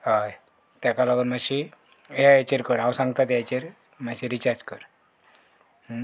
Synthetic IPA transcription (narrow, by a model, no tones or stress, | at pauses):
ɦaj | t̪jakalaɡənmaɕi | eat͡ɕeɾkəɾawsãŋɡt̪at̪at͡ɕeɾ | m̤aɕiɾit͡ɕaɾd͡ʑkəɾ